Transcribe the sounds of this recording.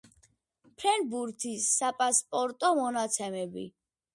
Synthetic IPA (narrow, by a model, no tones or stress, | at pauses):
pʰɾɛnbuɾt̪ʰisːapʼaspʼɔɾt̪ʼɔmɔnat̪sʰɛmɛbḭ